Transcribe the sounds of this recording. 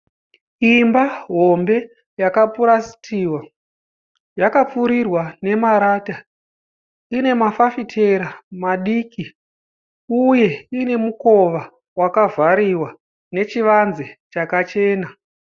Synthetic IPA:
imbaɦo̞mbe̞ | jakapuɾasi̥tʰiːwa | jakap͡fuɾirwane̞maɾaːta | ine̞mafafitʰe̞ɾamaɗiːki | uje̞ine̞muko̞ʋa | wakavaɾiwa | ne̞t͡ʃiʋanzet͡ʃakat͡ʃe̞ːna

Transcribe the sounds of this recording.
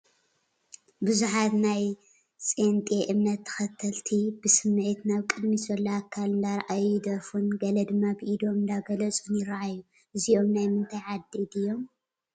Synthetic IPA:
bɨzuħat̪naj | sʼent̪ʼeʔɨmnɐt̪ʰːɐ̥xɐt̪ʰːɐlt̪ʰibɨsɨmːʕit̪naβkʼɨd̪misolːɐakʰːalɨnd̪aɾʔajːɪd̪ɐɾfunɡɐlɐd̪ɨmːabɨʔid̪o̞mɨnd̪aɡɐlɐt͡sʼunjɪɾaʔajːu | ʔɨzio̞mnajmɨnt̪ʰajʕad̪ːid̪ɨjːo̞m

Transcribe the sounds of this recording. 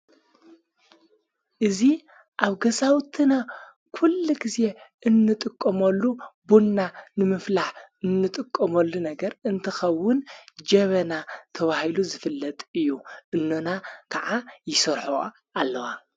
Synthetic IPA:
ʔɨzi | ʔaβɡɐzawt̪ʰɨna | kʰulːiɡize̞ʔɨnːɨt̪ʼɨkʼːɐmɐlːubunːanɨmɨflaħɨnːɨt̪ʼɨkʼːɐmɐlːunɐɡɐɾɨnt̪ʰɐxɐwːʊnd͡ʒɐβɐnat̪ʰɐβahiluzɨfɨlːɐt̪ʼɨjːuʔɨnːonakʰaʕajɪsɐɾħo̰ | ʔalːɐwa

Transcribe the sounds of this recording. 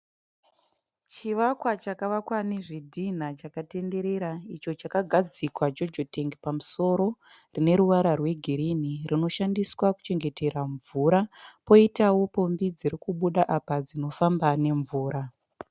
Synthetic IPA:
t͡ʃiʋakwat͡ʃakaʋakwaneʐidʱin̤at͡ʃakate̞nde̞ɾe̞ɾait͡ʃo̞t͡ʃakaɡʱad͡zikwad͡ʒo̞d͡ʒoteŋɡipamuso̞ɾo̞ | rine̞ɾuʋaɾarwe̞ɡʱiɾinirʔino̞ʃandiswaku̥t͡ʃe̞ŋɡe̞te̞ɾaɱvuɾapo̞itawo̞po̞mbid͡ziɾikuɓuɗaʔapad͡zino̞fambane̞ɱvuːɾa

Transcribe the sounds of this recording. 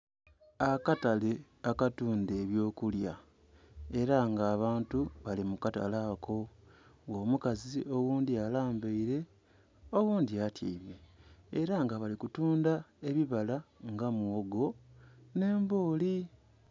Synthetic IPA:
akatale | akatuːnde̞ːβjoːkulja̰ | e̞ɾaŋɡaːβaːntuβalimukata̰lakʰo̞wo̞ːmukazio̞wuːndialaːmbaiɾe̞ | o̞ɣuːndiatja̰iβeːɾaŋɡaβalikutuːndae̞βiβalaŋɡamuoɡo̞ne̞ːmbo̞ːli

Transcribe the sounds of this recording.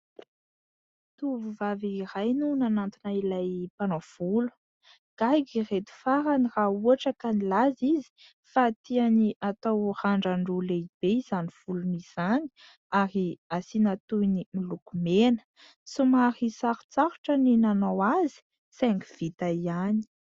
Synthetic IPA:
t̪uvuvaviiɾajnunanant̪unailajpanav̥ulu̥ | ɡ̥ajɡiret̪u̥faɾanirauaʈ͡ʂəkanilazizi̥ | fat̪ianiʔat̪awraɳɖ͡ʐaɳɖ͡ʐuleib̥eiz̥anifuluniz̥ani̥ | aɾiasinat̪unimilukumenə̥ | sumaɾisaɾu̥t͡saɾuʈ͡ʂəninanawazi̥ | sɛŋki̥v̥it̪aiani̥

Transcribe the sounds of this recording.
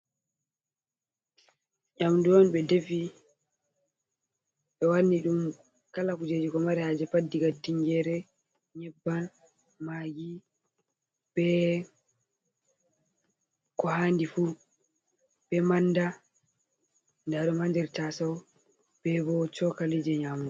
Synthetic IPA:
ɲamduɔnɓɛdefi | ɓɛwanːiɗum | kalakud͡ʒed͡ʒikɔmaɾɛhad͡ʒɛpadːiɡatːiŋɡɛɾɛ | ɲɛbːan | maɡi | b̥ɛ | kɔhandifu | ɓɛmanːda | ndaɗɔmaɲd͡ʒɛɾtasaw | b̥ɛbɔt͡ʃɔkalid͡ʒɛɲamu

